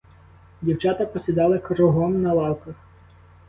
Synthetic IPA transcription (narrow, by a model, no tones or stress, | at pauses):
dʲiwt͡ʃɑt̪ɐpɔsʲid̪ɑlˠɪkɾɔɦɔmnɐlˠɑwkɐx